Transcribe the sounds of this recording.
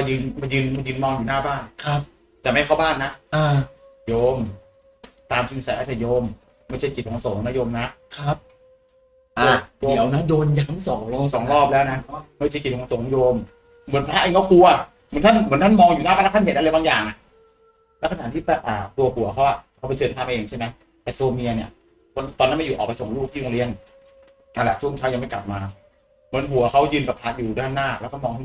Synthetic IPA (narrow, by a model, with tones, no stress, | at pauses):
ma˧jɯː˧nma˧jɯː˧nma˧jɯː˧nmɔː˧ŋjuː˨˩naː˥˩baː˥˩nkʰa˦˥p̚ | t̪ɛː˨˩ma˥˩jkʰa˥˩wbaː˥˩nːa˦˥ʔʔaː˧˩jo˧m | t̪aː˧msi˧ŋsɛ˨˩˦ʔt͡ɕʰɛ˨˩joː˧mː | a˥˩jt͡ɕʰa˥˩jki˨˩t̪̚hoː˨˩˦ŋso˩˦ŋna˦˧˥joː˧mna˦˥ʔkʰa˦˥p̚ | ʔaː˧˩di˧˦ə˦wna˦˥doː˧nja˨˩kʰa˥msɔː˩˦ŋlo˧sɔː˩˦ŋɾɔː˥˩p̚lɛː˦˥wna˦˥ma˥˩jt͡ɕʰa˥˩jki˨˩t̪̚ho˨˦ŋso˩˦ŋ˧joː˧mː | ɯ˨˩˦ənpʰlaː˦˥ʔeː˧kʰɔ˥˩ku˧a˨˩ | mɯ˨˦nt̪ʰa˥˩nmɯː˨˩˦nt̪ʰa˥˩nmɔː˧ŋjuː˨˩naː˥˩pa˧la˦˥˩t̪ʰa˥˩˨hnʔa˧lːjbaː˧jaː˨˩ŋʔa˨˩ | lɛː˦˥wkʰna˨˩t̪ʰiː˥˩bɛː˨˩p̚ʔaː˨˩t̪u˧ɐɦu˨˩˦ɐkʰa˦˥wʔa˨˩kʰpa˧jt͡ɕʰɤː˧nt̪ʰaː˧˩ma˧ʔeː˧ŋt͡ɕʰa˥˩jma˦˥j | t̪ɛː˨˩t̪oː˧mi˧ɐni˧˩ | ko˧nt̪ɔː˨˩nːa˦˥ma˥˩juː˨˩ʔɔː˨˩pa˧jso˨˩˦ŋluː˥˩iː˥˧˩ŋli˧˥ən | aː˧la˨˩t͡ɕʰu˥˩ə˨ŋt͡ɕ̪ʰaː˦˥ja˧ŋma˥˩kla˨˩p̚maː˧ | mɯ˩˦nɦu˨˩˦ɐkʰa˦˥wjɯː˧nbɛː˨˩pʰla˦˥t̪̚juː˨˩daː˥˩nːaː˥˩lɛː˦˥wkʰɔː˥˩mɔː˧ŋt̪ʰa˥˩